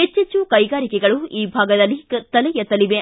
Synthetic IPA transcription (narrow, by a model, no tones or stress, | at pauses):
et͡ʃːet͡ʃːukɐjɡaːɾikɛɡɐɭuiːbʱaːɡɐd̪ɐlːit̪ɐlɛjɐt̪ɐliʋe